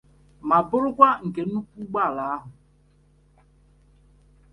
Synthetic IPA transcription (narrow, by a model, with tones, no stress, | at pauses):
ma˨bʊ˦ɾʊ˦kʷa˦ŋ̩˨ke˨˦nu˦kʷu˦ɡ͡ba˦˨la˨˦a˦ɦʊ˨